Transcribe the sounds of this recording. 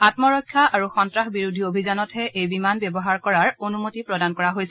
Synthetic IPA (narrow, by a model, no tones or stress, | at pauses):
atmɔɹɔjkʰːaʔaɹuxɔntɹaxbiɹudʱiobʱizanɔthɛʔejbimanbɛbɔɦaɹkɔɹaɹonumotipɹɔdankɔɹaɦojsɛ